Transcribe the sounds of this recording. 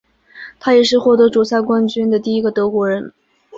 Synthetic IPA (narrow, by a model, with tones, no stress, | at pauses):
t̪ʰa˥jɛ˨˩ʂɻ̩˥˧xwɔ˥˩t̪ɤ˧˥ʈ͡ʂu˨˩ɕja˥˧kwa˥nt͡ɕy˥nd̪ə˨t̪i˥˩i˧˥ɡə˨t̪ɤ˧˥kwɔ˧˥ɻə˧˥n